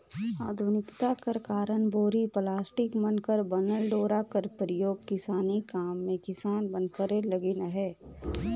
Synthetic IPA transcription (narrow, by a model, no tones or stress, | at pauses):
aːd̪ʱʊnɪkt̪akəɾkaːɾəɳboːɾiplaːsʈɪkmənkəɾbənəlɖoːɾakəɾpɾəjoːɡ̚kɪsaːnikaːmːẽkɪsaːnbə̃nkəɾelɐɡɪnəɦɛː